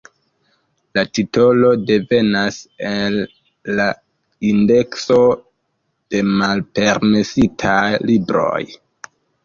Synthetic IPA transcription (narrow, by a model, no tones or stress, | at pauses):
latito̞lo̞de̞ve̞nasenː | a | inde̞kso̞ | d̥e̞malpe̞ɾme̞sitʰajlibɾo̞̰j